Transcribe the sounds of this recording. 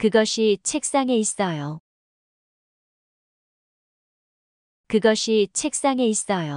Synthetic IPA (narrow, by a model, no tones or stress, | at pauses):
kɯɡʌɕʰit͡ɕʰe̞k̚s͈aŋe̞is͈ʌjo | kɯɡʌɕʰit͡ɕʰe̞k̚s͈aŋe̞is͈ʌjo